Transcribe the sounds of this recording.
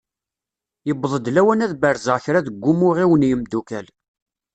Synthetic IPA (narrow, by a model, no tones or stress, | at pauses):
jəbðˤəd̪læwænæðbəɾzəʁçɾaðəɡʷːʊmʊʁiwənjəmd̪ukæl